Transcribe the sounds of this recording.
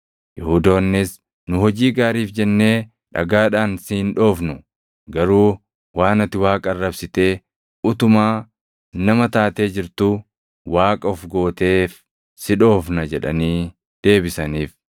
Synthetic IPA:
jɛhʊd̪o̞ːnːɪs | nʊɦɔd͡ʒiːɡaːɾiːfd͡ʒɛnːe̞ː | ᶑɐ̰ɡaːᶑaːnsɪɪnᶑo̞ːfnʊ | ɡɐɾuː | waːnɐt̪ːɪwaːkʼɐɐrːɐbsɪt̪e̞ː | ʊt̪ʊmaː | nɐmɐt̪aːt̪e̞ːd͡ʒɪɾt̪ʊ | waːkʼɐɔfɡo̞ːt̪e̞ːf | sɪᶑo̞ːfnɐd͡ʒɛᶑɐ̰niː | d̪̥e̞ːbɪsɐniːf

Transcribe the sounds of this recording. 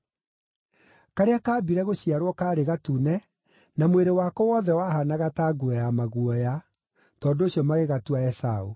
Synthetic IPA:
kaɾeakaːbiɾɛɣoɕiaɾwɔkaːɾeɣatunɛ | namweɾewaːkɔwɔðɛwaɦanaɣataːɡuɔjamaɣuɔja | tɔndoɕjɔmaɣeɣatuaɛsau

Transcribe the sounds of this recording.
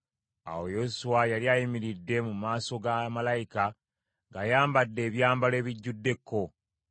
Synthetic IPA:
a̰wo̞jo̞suwajaliajimiɾidːe̞mumaːso̞ɡamalajika | ɡajaːmbadːe̞ːβjaːmbale̞ːβiɟːudːe̞kːo̞

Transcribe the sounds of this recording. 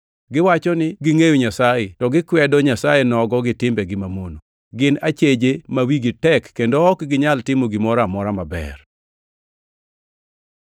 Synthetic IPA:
ɡɪwat͡ʃɔnɪɡɪŋejoɲasajetɔɡɪkwɛdɔɲasajenɔɡɔɡɪtɪmbɛɡɪmamono | ɡɪnat͡ʃed͡ʒemawiɡɪtɛkːendoːkɡɪɲaltɪmoɡɪmɔɾamɔɾamabɛ̰r

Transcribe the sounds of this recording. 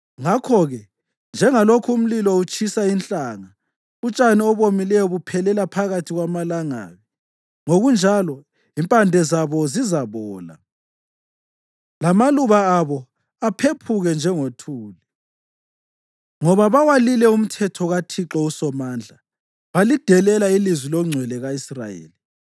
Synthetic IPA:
ŋakʰɔɣɛ | nd͡ʒʱɛŋalokʰuum̩lilɔut͡ʃʰʼisaint͡ɬʼaːŋa | ut͡ʃʼaniɔβomilɛjɔβupʰɛlɛlapʰaɣatʰiɣwamalaŋa̰ːɣɛ | ŋoɣund͡ʒʱalɔ | impʼandʱɛzaβɔzizaβɔːla̰ | lamaluβaaβɔ | apʰepʰuɣɛnd͡ʒʱɛŋotʰuːlɛ | ŋɔβaβawalilɛum̩tʰɛtʰɔɣatʰiǁɔusɔmaːnd͡ɮʱa | βalid̥ʱɛlɛlailizwilɔŋ͡ǀʱwɛlɛɣaisra̰jḛːli

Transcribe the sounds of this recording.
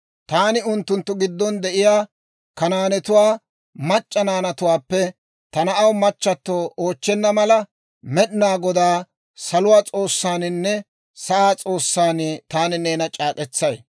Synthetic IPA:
t̪aːnɪʊnt̪ːʊnt̪ːʊɡɪd̪ːɔnd̪ɛʔɪjaː | kɐnaːnɛt̪ʊwaː | mɐt͡ʃʼːɐnaːnɐt̪ʊwaːpːɛ | t̪ɐnɐʔɐwmɐt͡ʃːɐt̪ːoːʔoːt͡ʃːɛnːɐmɐlɐ | mɛɗɪnaːɡɔd̪aː | sɐlʊwaːt͡sʼo̞ːsːaːnɪnːɛ | sɐaːt͡sʼo̞ːsːaːnɪt̪aːnɪne̞ːnɐt͡ʃʼaːkʼɛt͡sːɐj

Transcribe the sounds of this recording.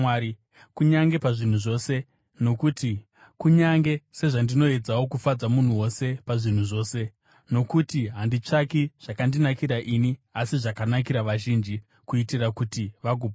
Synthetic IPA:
ai | kuɲaŋɡe̞paʐin̤uʐo̞ːse̞ | no̞kuti | kuɲaŋɡe̞se̞ʐandino̞e̞d͡zawo̞kufad͡zamun̤uwo̞se̞paʐin̤uʐo̞ːse̞ | no̞kutiɦandit͡ʂakiʐ̥akandinakiɾaʔiniasiʐakanak̬iɾaʋaʒind͡ʒi | kuitirakutiʋaɡʱuːb

